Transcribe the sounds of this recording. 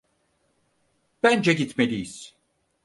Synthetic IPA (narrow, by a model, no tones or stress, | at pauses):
b̥ænd͡ʒɛɟit̪melʲijiz̥